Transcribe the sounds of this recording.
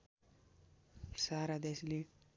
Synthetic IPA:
saɾad̪esli

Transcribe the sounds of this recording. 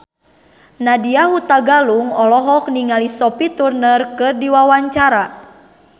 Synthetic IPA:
nadiahut̪aɡaluŋɔlɔɦɔk̚niŋalisɔpit̪urnərkɨrdiwawaɲt͡ʃaɾa

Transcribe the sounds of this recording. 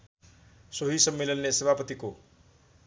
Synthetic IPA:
soɦisʌmːelʌnːesebʱapət̪iko

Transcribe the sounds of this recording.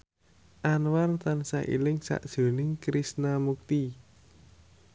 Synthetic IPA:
ʔanwart̪ansa̰ʔḭlɪŋsa̰ʔd̥ʒ̥o̤nɪŋkɾisnamuk̚t̪i

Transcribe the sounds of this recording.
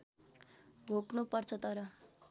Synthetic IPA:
ɡʱoknupʌrt͡sʰʌt̪ʌɾʌ

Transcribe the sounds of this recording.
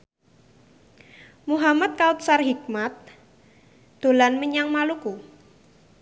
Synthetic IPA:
muɦamat̪̚kaut̪̚sarɦik̚mat̪̚ | d̪̥o̤lanməɲaŋmaluku

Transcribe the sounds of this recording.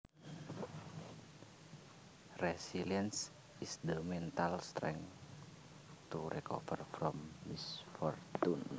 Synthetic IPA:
rɛsiliəns | isdəmɛnt̪alst̪ɾɛ̰ŋ | t̪uɾʔɛkɔ̰fərfɾɔmːisfɔrt̪un

